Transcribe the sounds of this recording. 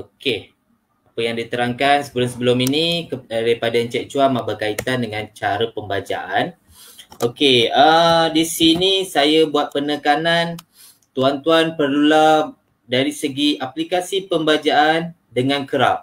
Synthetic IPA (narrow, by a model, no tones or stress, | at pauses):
oke | apəjaŋdit̪əɾaŋkansəbəlʊmsəbəluminidaipadaənt͡ʃɛʔ̚t͡ʃuamãbəkait̪andəŋãnt͡ʃaɾəpəmbad͡ʒa̰ʔan | okeədisinĩsajabuat̪̚pənəkanan | t̪uant̪uanpərlula | daɾisəɡiaplikasipəmbad͡ʒaʔan | dəŋãnkəɾap̚